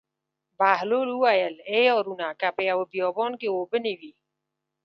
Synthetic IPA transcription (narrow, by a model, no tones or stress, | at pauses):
baːɦloːluaːjɐleːɔːɾunaːkapejawobijɔːbɔːnkeoːbəniʋiː